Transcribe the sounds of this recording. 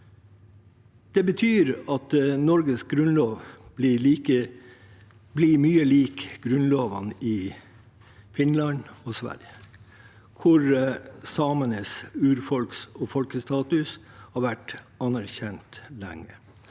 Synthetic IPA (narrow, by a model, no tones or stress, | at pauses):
d̪̥ɛbət̪ʰyːɾɑt̪nɔɾɡəsɡɾʉnloːʋliliːkə | blimyːəliːkɡ̥ɾʉnloːʋɑ̰nɪ | fɪnlɑnɔsʋæ̰ɾjə | kʰʊɾsɑːmənəsʉːɾfɔlksɔfɔlkəst̪ɑːt̪ʉshɑɾʋæʈ | ɑnæɾçɛnt̪lɛ̰ŋːə